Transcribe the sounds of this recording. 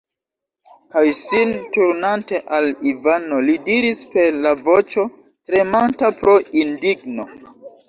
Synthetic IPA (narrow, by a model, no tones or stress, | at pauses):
kajsintuɾnante̞ʔalivanolidiɾispe̞ɾlavo̞t͡ʃo̞ | tɾe̞mantapɾo̞ʔindiɡno̞